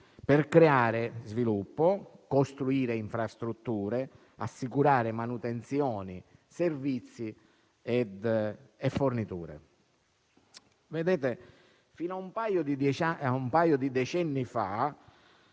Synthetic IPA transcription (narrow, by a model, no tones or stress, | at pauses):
pɛrkɾeaːɾezvilupːokost̪ɾuiːɾeiɱfɾast̪ɾut̪ːuːɾe | a̰sːikuɾaːɾɪmanut̪ent̪sjɔːniservit̪sːi | ɛd̪ɛfːornit̪uːɾḛ | ved̪ɛːt̪e | fiːnaumpaːjod̪id̪t͡ʃaaumpaːjod̪id̪ɛt͡ʃɛnːifa